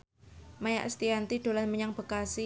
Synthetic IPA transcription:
maja̰ʔəst̪iant̪iɖ̥o̤lanməɲaŋb̥ə̤kasi

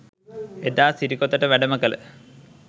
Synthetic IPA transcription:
ed̪aːsiɾikːot̪ːɐʈːɐʋeɖɐmɐkːɐlɨ̰

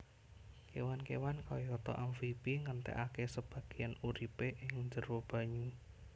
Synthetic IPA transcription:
kewankewankɔjɔt̪ɔ̰ʔamfipiŋənt̪ɛ̰ʔakesəb̥ä̤ɡ̥i̤januɾipeʔɪŋɲd͡ʒə̤rwob̥a̤ɲu

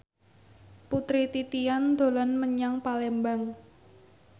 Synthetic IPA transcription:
put̪ɾit̪it̪ijand̪̥o̤lanməɲaŋpalɛmbaŋ

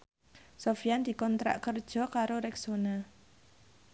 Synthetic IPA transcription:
sofijand̪̥i̤kɔnt̪ɾa̰ʔkərd̥ʒ̥ɔ̤kaɾoɾɛksona

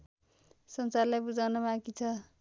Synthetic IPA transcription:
sʌnsarlajbud͡zawnʌmãkit͡sʰʌ

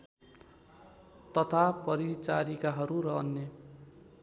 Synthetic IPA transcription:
t̪ʌt̪ʰapʌɾit͡saɾikaɦʌɾuɾʌːnːe

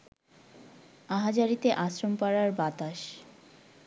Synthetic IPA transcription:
aɦad͡ʑaɾit̪eʔasɾompaɾaɾbat̪aʃ

